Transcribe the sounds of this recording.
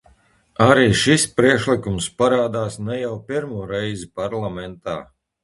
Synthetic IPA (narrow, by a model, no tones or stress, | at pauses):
aɾiːʃispɾiɛkʃlˠikumspaɾaːd̪aːsnɛjawpiɾmuɔɾɛjzipaɾlˠamɛnt̪aː